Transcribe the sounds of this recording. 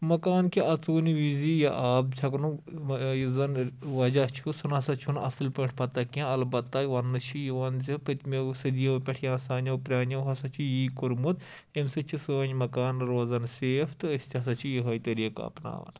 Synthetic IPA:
mɐkaːnkʰiʔɐt͡suːniʋizijaʔaːb̚t͡ʃʰɐknujizɐnʋɐd͡ʒat͡ʃʰusunɐsɐt͡ʃʰunɐ̰sɨlpɐʈʰʲpɐt̪ɐkãɐlbɐt̪ːaːjiʋɐnːɨt͡ʃʰijiʋɐnzʲipɐt̪mesɐd̪ijɐʋpʲɐʈʰjaːsaːnʲɐpɾʲaːnɐɦɐsɐt͡ʃʰijiːkuɾmut̪ | emsɨt͡ʃʰisɨʋɐɲmɐkaːnɾoːzɐnseːft̪ɨɐsʲt̪ʲʰsɐt͡ʃʰijiɦɐjit̪ɐɾiːka̰ːpna̰ːʋɐ̰n

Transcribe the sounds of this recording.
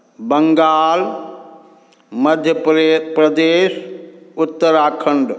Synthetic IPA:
bɐŋɡaːl | mɐd̪ʱjəpɾɐd̪eːsʊt̪ːəɾaːkʰɐəɳɖ

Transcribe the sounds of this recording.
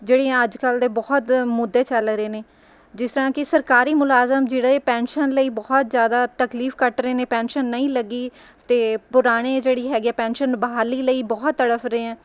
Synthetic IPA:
d͡ʒeːɽeːɦɛ̃əd͡ʒkəld̪eːbɔːt̪mʊd̪ːeːt͡ʃəlɾeːneː | d͡ʒɪst̪əɾãːkɪsəɾkaːɾiːmʊlaːzəmd͡ʒeːɽːpɛ̃ːnʃənləiːbɔːt̪zjaːd̪aːt̪əkliːfkəʈɾeeːneːpɛ̃ːnʃənːəĩːləɡiː | t̪eːpʊɾaːɽ̃eːd͡ʒeːɽiːɦɛːɡiɛːpɛ̃ːnʃənbəaːliːləiːbɔːt̪ːəɽəfʰɾeːɛ̃ː

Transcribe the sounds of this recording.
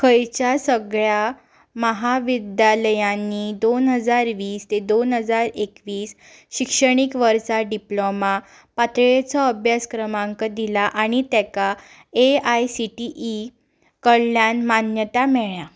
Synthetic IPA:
kʰəjt͡ɕjasəɡɭja | məɦaʋid̪jaləjãnːid̪onɦəd͡zaɾʋiːst̪ed̪onɦəd͡zaɾekʋiːs | ɕikʂəɽ̃ikʋəɾsaɖiploma | pat̪ɭet͡sɔəbʱjaskɾəmãŋkəd̪ilaʔaɽ̃it̪ɛka | eajsiʈiʔi | kəɽljanmanjət̪amɛɭa

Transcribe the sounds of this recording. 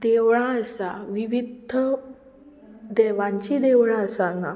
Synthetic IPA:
d̪eʋɭãəsaʋiʋid̪ʱə | d̪ɛʋãɲt͡ɕid̪eʋɭãəsãŋɡã̰

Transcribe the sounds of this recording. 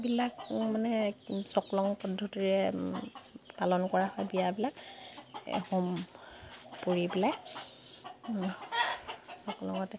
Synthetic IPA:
bilakmanɛsɔklɔŋpɔdʱːɔtiɹɛ | palɔnkɔɹahɔjbijabilak | hom | poɹibilak | sɔklɔ̰ŋɔtɛ

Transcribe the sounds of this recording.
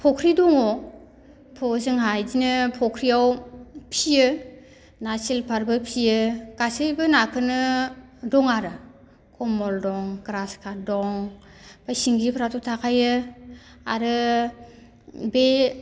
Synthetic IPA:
pʰɔkʰɾidɔŋɔ | pʰɔzɯŋɦajdinɯpʰɔkʰɾiawpʰijɯ | nasilpʰaɾbɯpʰijɯkasɯjbɯnakʰɯnɯdɔŋaɾɯ | kʰɔmɔldɔŋɡɾaskʰadɔŋ | bajsiŋɡipʰɾatutʰakʰajɯ | aɾɯ | be

